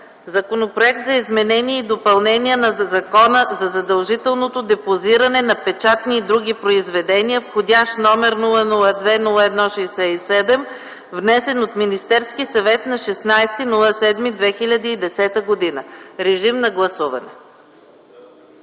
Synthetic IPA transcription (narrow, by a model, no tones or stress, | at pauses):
zɐkonopɾoɛk̚t̪zɐizmɛnɛniɛid̪opɐlˠnɛniənɐzɐkɔnəzɐzɐd̪ɐlˠʒit̪ɛlˠnot̪od̪ɛpoziɾɐnɛnɐpɛt͡ʃat̪niːd̪ɾuɡ̟ʲipɾoizvɛd̪ɛniəfxodʲaʃt̪nɔmɛɾnulˠənulˠəd̪vɛnulˠəɛd̪nɔʃɛjsɛisɛd̪ɛm | vnɛsɛnot̪minist̪ɛɾskisɐvɛt̪nɐʃɛsnajst̪inulˠəsɛd̪mid̪vɛxilʲɐd̪iːd̪ɛsɛt̪əɡod̪inəɾɛʒimnɐɡlˠɐsuvɐ̰nɛ